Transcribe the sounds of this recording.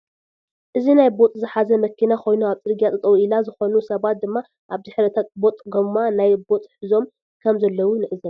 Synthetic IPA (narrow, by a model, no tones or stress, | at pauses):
ʔɨzinajbo̞t̪ʼzɨħazɐmɐkʰːinakʰo̞jnuaβt͡s̪ʼɨɾɡjat̪ʼɐt̪ʼɐwuilazɨxo̞nusɐβat̪̚d̪ɨmːa | ʔaβzɨħɾɐt̪ʰabo̞t̪ʼɡommːanajbo̞t̪ʼħɨzo̞m | kʰɐmzɐlːɐwunɨʔɨzɐ